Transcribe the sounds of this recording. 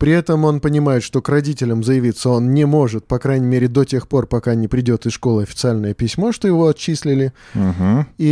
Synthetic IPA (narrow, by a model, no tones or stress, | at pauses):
pɾʲɪɛt̪əmo̞npənʲɪmajɪt̪ʂt̪o̞krɐdʲitʲɪlʲəmzəjɪvʲit̪sːəo̞nnʲɪmo̞ʐɨt̪̚pɐkɾajnʲɪmʲeɾʲɪd̪o̞tʲe̞xpo̞rpɐkanʲɪpɾʲɪdʲo̞t̪ɨsʂko̞lˠɨɐfʲɪ̥t̪sɨalʲnəjəpʲɪsʲmo̞ʂt̪o̞jɪvo̞ɐtt͡ɕːisʲlʲɪlʲɪm̩ɦ̩i